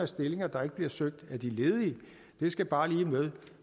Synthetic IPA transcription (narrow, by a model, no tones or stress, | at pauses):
æsd̥e̝le̝ŋɐd̥ɑ̈e̝ɡ̥əb̥liɐsøɡ̥̚d̥æd̥ile̝ːð̞ˠiə | d̥e̝sɡ̥æb̥ɑ̈ːliːmeðˠ